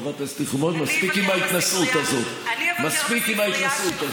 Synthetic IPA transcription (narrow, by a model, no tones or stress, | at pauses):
vat̪ast̪iχmot̪maspikimait̪nasut̪azot̪maspikimait̪nasut̪a